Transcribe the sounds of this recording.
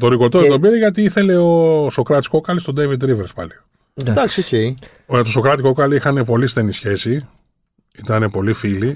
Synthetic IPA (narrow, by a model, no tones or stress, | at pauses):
t̪o̞ɾiɣot̪ot̪obiɾeʝɐt̪iiθe̞le̞oso̞kɾɐt̪i̥sko̞kɐlist̪o̞d̪evid̪̚t̪ːɾiveɾspɐ̰li | d̪ɐksiocej | t̪oso̞kɾɐt̪ikokɐlixɐne̞po̞list̪e̞nisçe̞si | it̪ɐne̞po̞lifili